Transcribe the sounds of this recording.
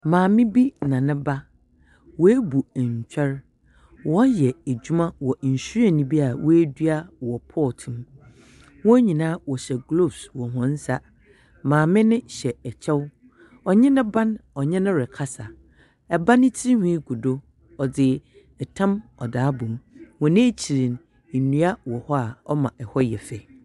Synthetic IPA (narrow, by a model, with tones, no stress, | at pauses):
mãː˨mɪ̃˦bi˦nã˨nɪ̃˦ba˦ | wɔ˨˦æ˦bu˨ɲ˨t͡ɕᶣɛ˦ɾ | wɔ˦jɛ˨æ˨d͡ʑu˦mã˦wɔ˨ɲ̩˨ɕu˦ɾa˨nĩ˨bi˦a˨wʔɔ˦æ˦dɥa˦wɔ˨pʰɔ˦˨tʰũ˨m | wɔ̃˦ɲĩ˨nãː˦wɔ˨ɕɛ˨ɡlo˦˨bswɔ˨ɦɔ̃˦n̩˦sa˦ | mãː˨mɪ̃˦nɪ̃˦ɕɛ˨ɛ˨t͡ɕʰɛ˦w | ɔ˨ɲɪ̃˦nɪ̃˦bã˦nɔ˨ɲɛ̃˦nʊ̃˦ɾɪ˨kʰa˦sa˨ | ɛ˨ba˦nɪ̃˦tʰi˦hĩ˦ɡu˨do˦ | ɔ˨d͡zɪ˨ | ɛ˨tʰã˦mɔ˨daː˨˦bũ˨mwɔ̃˨nɪ̃˦t͡ɕʰi˨ɾi˨n̩˨ | nũ˦a˦wɔ˨hɔ˦a˨ɔ˦mã˨ʔɛ˨hɔ˦jɛ˨fɛ˨